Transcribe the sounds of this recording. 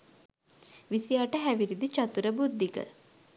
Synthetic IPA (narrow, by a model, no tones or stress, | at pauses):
ʋisijaːʈəɦæʋiɾid̪it͡ʃat̪uɾəbud̪ːikə̰